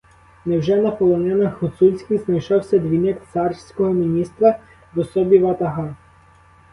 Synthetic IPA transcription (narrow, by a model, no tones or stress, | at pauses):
nɛwʒɛnɐpɔlˠɔnɛnɐxut̪sulʲsʲkʲiznɐjʃɔwsʲɐd̪ʲʋʲinɛkt̪sɑrsʲkɔɦɔmʲinʲist̪ɾɐ | ʋɔsɔbʲiʋɐt̪ɐɦɑ